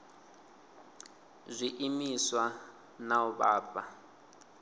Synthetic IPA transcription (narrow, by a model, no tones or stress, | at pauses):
zʷiʔimiswa | nauβaːpa